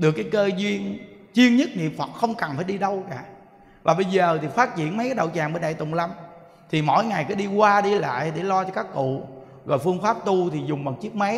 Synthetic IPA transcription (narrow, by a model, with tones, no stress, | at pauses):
ɗɨ˨˩əkːjkəː˧zwi˧ənt͡ɕwi˧ənɲə˦˥t̚nḭ˨əmfə˨˩t̚xə˧wŋ͡mkə˨˩nfaː˧˩jɗi˧ɗə˧wka̰ː˧˨ | vaː˨˩ɓə˧jzəː˨˩t̪ʰi˨˩faː˦˥t̚t͡ɕḭ˧˨ənma˨˦jkaː˨˦jɗə̰˧˨wt͡ɕaː˨˩ŋɓəː˧˩˦ɗaː˧˨jt̪ʊ̰˨˩ŋ͡mla˧m | t̪ʰi˨˩mo̰˧˥˨jŋa˨˩jkɔ˨˦ɗi˧kwaː˧ɗi˧la̰ː˧˨jɗe˧˩lɔ˧t͡ɕɔ˧kaː˦˥kːṵ˧˨ | ɣɔ̰˨˩jfɨ˧əŋfaː˦˥p̚t̪u˧t̪ʰi˨˩zʊ˨˩ŋ͡mmɔ˨˩t̚t͡ɕi˦˥ək̚ma˨˦